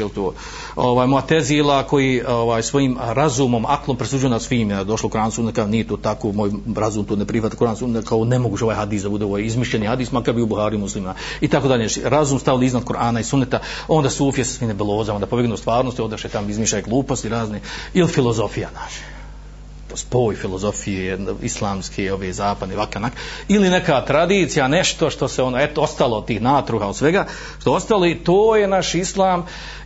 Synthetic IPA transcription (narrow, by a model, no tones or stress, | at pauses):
jelt̪oː | oʋaːjmojat̪eziːlˠako̞jiːoʋaːjsʋo̞jiːmɾazuːmo̞maklˠo̞mpɾesud͡ʒujonasʋiːmjad̪o̞ʃlˠoukɾaːnsunet̪kanijet̪oːt̪akoːmoːjɾazuːmt̪oːnepɾiʋat̪nkuɾaːnsunt̪akʰaonemoɡuːt͡ʃeo̞aːjɦad̪iːsd̪abud̪eoʋaːjizmiʃʎenihad̪iːsmakabioubuxaːɾijumuslˠimnait̪akod̪aʎeɾazuːmst̪aʋiliznad̪̚kuɾaːnaisunːet̪a | o̞nd̪aːsuːfijesḁsʋiːmnebelˠoːzaond̪apobeɡnust̪ʋaːɾnost̪iod̪aʃet̪amizmiːʃajeɡlˠuːpost̪iɾaːzneilifilˠo̞zo̞fijanaʃe̥ | ospo̞ːjfilˠozo̞fijeislˠaːmskʰeo̞ʋeːzaːpad̪nelakanakiline̞kat̪ɾad̪iːt̪sijaneʃt̪o̞ʃt̪o̞seonoet̪oo̞st̪alˠood̪t̪iːhnaːt̪ɾuhaod̪sʋeɡa | ʃt̪oo̞st̪aloit̪oːjenaʃislˠaːm